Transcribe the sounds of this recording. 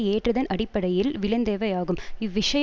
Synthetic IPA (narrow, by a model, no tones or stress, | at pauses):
eːʈrɐðɐnʔɐɽɪpːɐɽɐjɪlʋɪlɐnd̪eːʋɐjaːɣɯmɪʋːɪʂɐj